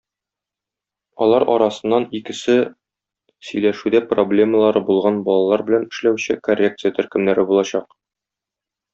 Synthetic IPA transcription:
ɒ̰lˠɑɾɒɾɑsɤ̆nːɑnikɘ̆sɘ | sɵ̆jlæʃʉd̪æproblʲe̞məlˠɑɾɤbulˠʁɑnbɒlˠɑlˠɑɾbɘ̆lænɘ̆ʃlæwɕɘkorʲːek̚t̪sɨjət̪ɵ̆ɾkɘ̆mnæɾɘbulˠɑɕɑq̚

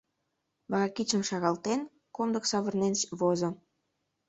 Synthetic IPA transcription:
βɑɣɑkit͡ɕə̆mʃɑɣɑlt̪en | komd̪ə̆ksɑβə̆rnenʃβozŏ

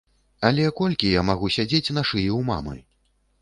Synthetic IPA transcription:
alʲɛkɔlʲkʲijamaɣusʲad͡zʲet͡sʲnaʂɨjɛwma̰mɨ̰

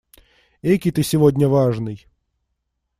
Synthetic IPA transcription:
ekʲɪt̪ɨsʲɪvodʲnʲəvaʐnɨj

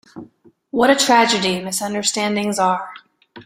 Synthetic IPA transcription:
wʌɾɨtʰɹ̥æd͡ʒɨdimɪsʌ̃ndə˞stæ̃ndɪ̃ŋzə˞

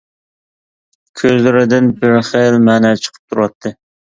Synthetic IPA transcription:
kʲʰøzlɪɾɪd̪ɪnbɪɾχelmæːnɛt͡ʃʰə̥qʰə̥p̚t̪ʰuɾɑt̪ʰːɨ

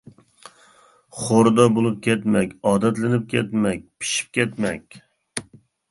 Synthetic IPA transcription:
χoɾd̪ɑbolˠɨp̚kʲʰɛt̪mɛkʲɑːd̪ɛt̪lɪnɪp̚kʲʰɛt̪mɛk̚ʲpʰi̥ʃi̥p̚kʲɛt̪mɛkʲ

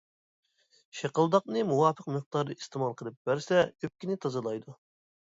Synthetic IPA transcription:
ʃeqəlˠd̪ɑqnɨmuwɑːpʰəqmɨχ̚t̪ɑɾd̪ɨist̪ɨmɑlˠqʰəlˠɨp̚bæɾsɛøp̚kʲinɪt̪ʰɑzɨlˠɑjd̪u

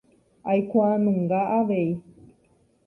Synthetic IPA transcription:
ajkʷanɨ̃ŋɡaʔaʋei

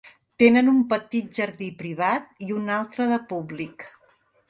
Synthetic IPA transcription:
t̪enənumpət̪it̪̚ʒəɾðipɾiβ̞at̪̚iunalˠt̪ɾəðəpublik

